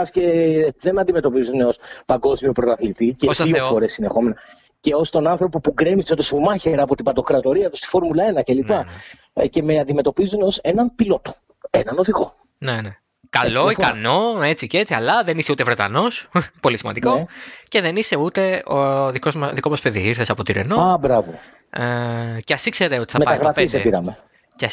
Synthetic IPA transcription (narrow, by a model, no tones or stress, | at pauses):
ɐsce̞ðe̞nɐnd̪ime̞t̪o̞pizuneo̞spɐŋɡo̞zmiopɾot̪ɐθlit̪iceosɐieofoɾe̞sːinexo̞menɐ | ce̞ost̪o̞nɐnθɾo̞po̞puɡɾemiseot̪osmɐçeɾɐpo̞t̪ibɐd̪o̞kɾɐt̪o̞ɾiɐt̪ust̪i̥fo̞ɾmulɐe̞nɐcelipɐ | ce̞meɐnd̪ime̞t̪o̞pizuneo̞se̞nɐnpilo̞t̪o̥ | enɐno̞ðiɣo̞ | nene | kɐlo̞ikɐno̞e̞t͡sice̞t͡siɐlɐðe̞niseut̪evɾe̞t̪ɐno̞spo̞lisimɐ̰nd̪iko̞ce̞ðe̞nise̞ut̪e̞oðikoðikomɐspeðḭiɾθe̞sɐpo̞t̪iɾḛnoɐbɾɐvo̰ | ceɐsikse̞ɾeo̞t̪i̥θɐmepɐt̪ɐɣɾɐisepiɾɐ̰me̞ | ce